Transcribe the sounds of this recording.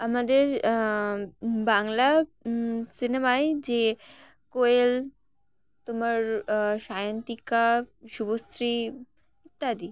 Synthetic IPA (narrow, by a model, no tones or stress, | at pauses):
amad̪əɾ | baŋɡla | sinemaed͡ʑe | koel | t̪uməɾɕajənt̪ikaɕubost̪ɾi | it̪ːad̪i